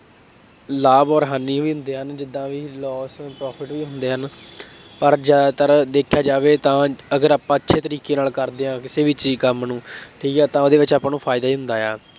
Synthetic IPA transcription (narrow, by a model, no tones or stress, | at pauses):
laːbɔːɾɦaːnːiːɦoiːɦʊ̃nd̪eːɦənd͡ʒɪd̪ːãːʋiːlɔːspɾɔːpʰɪʈʋiːɦʊnd̪eːɦən | pəɾd͡ʒat̪əɾd̪eːkʰjaːd͡ʒaːʋeːt̪ãːəɡəɾaːpãːətːʃʰeːt̪əɾiːkeːnaːlkəɾd̪eːãːkɪseːʋɪt͡ʃiːkəmnũːʈʰiːkɛːt̪ãːoːd̪eːʋɪt͡ʃaːpãːnũːpʰaːɪd̪aːiːɦʊ̃nd̪aːjaː